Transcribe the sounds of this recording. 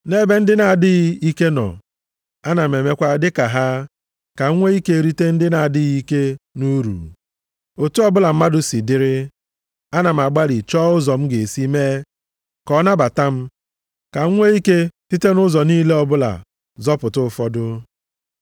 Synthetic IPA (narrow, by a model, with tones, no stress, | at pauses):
ne˦be˦n̩˦dɪ˦na˨dɪ˦ɣi˦ke˦nɔ̰˨ | a˦na˨m˨e˨me˦kʷa˦dɪ˦ka˨ɦa˦ | ka˨ŋ˦ŋʷe˦i˦ke˦˨ɾi˦te˦n̩˦dɪ˦na˨dɪ˦ɣi˦ke˦nu˦ɾṵ˨ | o˨tu˦ɔ˦bʊ˦la˨m̩˦ma˦dʊ˦si˨dɪ˦ɾɪ˦ | a˦na˨m̩˨a˨ɡ͡ba˦ɾi˨t͡ʃɔː˦ʊ˦zɔ˨m̩˦ɡe˨si˦me˦ | kɔ˦na˦ba˨ta˦m̩˦ | ka˨ŋ̩˦ŋʷe˦i˦ke˦ti˦te˦nʊ˦zɔ˨niː˦le˦ɔ˦bʊ˦la̰˨ | zɔ˦pʊ˨tʊ˦˨fɔ˦dʊ˦